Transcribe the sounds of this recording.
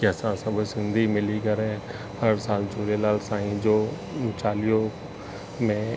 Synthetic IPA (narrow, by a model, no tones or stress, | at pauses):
kɛsãsɐ̃bosɪ̃nd̪ʱimɪliɡɐɾẽ | hɐɾsaːlt͡ʃuːɾelaːlsaːĩd͡ʒoː | t͡ʃaːlijõ | mẽ